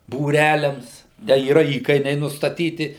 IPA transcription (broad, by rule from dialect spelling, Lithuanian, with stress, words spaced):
buːˈrʲælʲɛms dɐ iːˈrɐ ˈiːkɐɪnʲɛɪ nʊstɐˈtʲiːtʲɪ